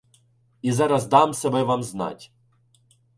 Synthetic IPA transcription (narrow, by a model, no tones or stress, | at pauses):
izaɾazd̪amsɛbɛvamzna̰tʲ